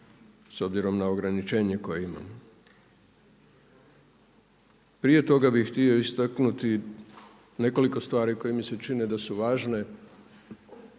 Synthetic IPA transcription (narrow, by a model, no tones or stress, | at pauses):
so̞bziɾo̞mnao̞ɡɾanit͡ʃe̞ːɲe̞ko̞jeima̰m | pɾije̞t̪o̞ɡabixxt̪io̞ist̪aknut̪i | ne̞ko̞liko̞st̪ʋaːɾiko̞jimise̞t͡ʃined̪asuʋaːʒne̞